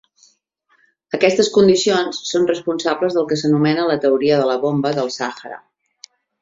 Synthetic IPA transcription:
əkɛst̪əskund̪isionsːonrəspunsabləzðəlˠkəsənumɛnələt̪əuɾiəðələβombəðəlˠsaxəɾə̰

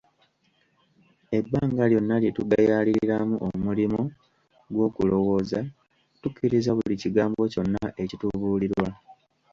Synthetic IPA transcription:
e̞bːaːŋɡaljo̞nːaljetuɡajaliɾɾamuʔomulimo | ɡwo̞ːkulo̞wo̞ːza | tukːiɾizaβuliciɡaːmbo̞co̞nːaʔe̞cituβuːliɾwa

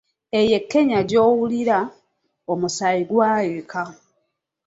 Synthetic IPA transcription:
eje̞kːe̞ɲaɟo̞ːwuliɾa | omusaiɡwaːjeka

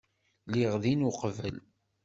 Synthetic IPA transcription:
liʁðinuqvəl

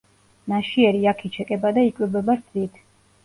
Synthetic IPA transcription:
naʃiɛɾiakʰit͡ʃʰɛkʼɛbad̪aikʼwɛbɛbaɾd̪zit̪ʰ

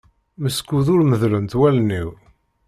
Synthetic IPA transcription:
məskːuðʊɾməðlənt̪wælnːiw

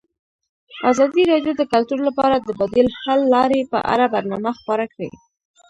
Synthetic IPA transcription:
azɑd̪iɾɑɖjod̪əkalt̪uɾlapɑɾad̪əbad̪elhalːɑɾepə̰ʔa̰ɾabaɾnɑmaxpɑɾakɽḛ

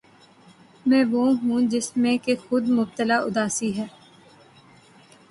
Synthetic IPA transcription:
mɛ̃ːʋoːɦũːd͡ʒɪsmẽːkexʊd̪mʊb̚t̪əlaːʔʊ̰d̪aːsiːɦɛː

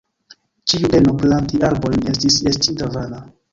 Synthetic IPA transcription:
t͡ʃiubenoplantialbojnestisestintavana

